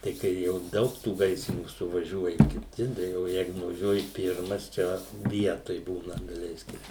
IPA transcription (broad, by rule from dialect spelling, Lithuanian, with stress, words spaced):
tɐɪ ˈkɐɪ jɛʊ ˈdɐʊk tuː ˈɡɐɪsʲrʲɪnʲuː sʊʋɐˈʒʲuɔjɛ kʲɪˈtʲɪ dɐ oː ˈjɛɪɡʊ nʊʋɐˈʒʲuɔjɪ ˈpʲɪrmɐs ˈt͡ʃʲɛ ˈʋʲiɛtoːj ˈbuːnɐ dɐˈlʲɛɪsʲkʲɪm